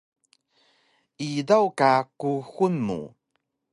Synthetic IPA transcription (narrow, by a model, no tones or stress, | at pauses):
idawkakuxunmṵ